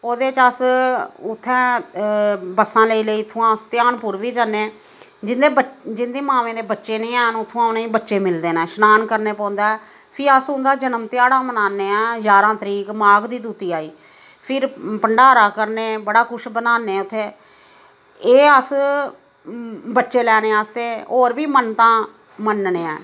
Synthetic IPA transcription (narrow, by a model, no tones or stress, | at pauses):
oːd̪eːt͡ʃəsʊt̪ʰːɛ̃ː | bəsːãːləiːləiːt̪ʰːõːãːst̪ɪjaːnpʊɾʋiːd͡ʒaːnːeː | d͡ʒɪnd̪eːəd͡ʒɪnd̪eːmãːʋẽːɾeːbətːʃeːnẽːaːnʊt̪ʰːõːãːʊnẽːĩːbətːʃeːmɪld̪eːnɛ̃ːʃənaːnkəɾneːpɔ̃ːnd̪aːɛː | pʰɪəsʊ̃nd̪aːd͡ʒənəmt̪ɪjaːɽãːmənaːneːɛ̃ːjaːɾãːt̪əɾiːkmaːɡd̪iːd̪uːt̪iːaːiː | pʰɪɾpəɳɖaːɾaːkəɾneːbəɽaːkʊʃbənaːneːʊt̪ʰːeː | eːəs | bətːʃeːlɛːneːaːst̪eːoːɾbiːmənt̪ãː | mənneːɛ̰ː